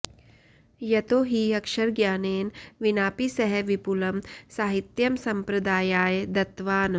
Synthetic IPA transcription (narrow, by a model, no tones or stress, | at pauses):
jɐt̪oːɦiɐkʃɐɾɡjaːneːnʋinaːpisɐɦɛʋipulɐmsaːɦit̪jɐmsɐ̃mpɾɐd̪aːjaːjd̪ɐt̪ʋaːn